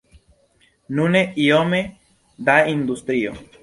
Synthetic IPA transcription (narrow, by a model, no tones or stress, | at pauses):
nuneʔiome | d̪aind̪ust̪ɾio̰